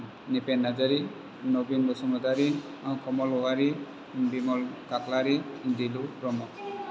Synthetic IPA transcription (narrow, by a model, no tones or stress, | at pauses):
nipenːazaɾi | nobinbɔsɔmɔdaɾi | kɔmɔlɔwaɾi | bimɔlkaklaɾidilupɾɔmɔ